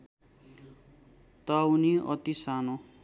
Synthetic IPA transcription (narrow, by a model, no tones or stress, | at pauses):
t̪auniʌ̰t̪isano